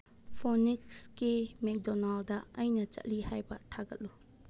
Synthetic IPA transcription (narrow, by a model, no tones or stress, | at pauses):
pʰɔnikskimɛk̚dɔnaldɐɐjnɐt͡ʃɐ̰tlihajbɐtʰaɡɐt̚lu